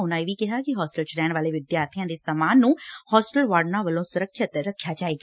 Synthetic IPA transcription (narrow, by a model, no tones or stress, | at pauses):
ɦʊnãːeːʋiːkɪɦaːkɪɦɔːsʈəlt͡ʃɾɛːɳʋaːleːʋɪd̪jaːɾt̪ʰijãːd̪eːsəmaːnːũːhɔːsʈəlʋaːɖnãːʋəlõːsʊɾəkʰːjət̪ɾəkʰːjaːt͡ʃaːeːɡa